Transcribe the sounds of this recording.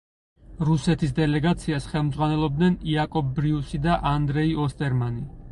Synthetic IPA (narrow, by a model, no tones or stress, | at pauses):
ɾusɛt̪ʰis̬d̪ɛlɛɡat̪sʰiasχɛlˠmd̪zʁwanɛlˠɔb̚d̪nɛniakʼɔbɾiusid̪aʔand̪ɾɛiɔst̪ʼɛɾmani